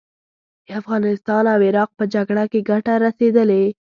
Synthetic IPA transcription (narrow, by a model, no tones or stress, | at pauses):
d̪afɣɑnɪst̪ɑnawɪɾɑq̚pəd͡ʒaɡɽakeɡaʈaɾased̪əle